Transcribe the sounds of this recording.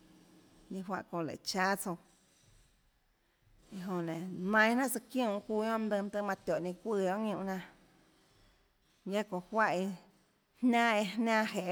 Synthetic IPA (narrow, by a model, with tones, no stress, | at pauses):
ɲĩ˧ɦwã̰˧ʔkõ˧˨lḛ˨t͡ʃaː˦t͡so˧w | i˨ɦõ˨nẽ˨nã˧j̃nã˦ʔt͡sɨ˧kj̃ũ˦˧˨huː˧˦õ˦md̪ɨ̃˧m˦t̪ɨ˦˧mã˧t̪ʲɔ˨ʔnĩ˧kʷiː˧õ˦ʔŋũ˧˨nã˧ | jã˦kõ˨hwa˦ʔi˧ | hnʲã˦e˧nãː˦ɦe˨ʔ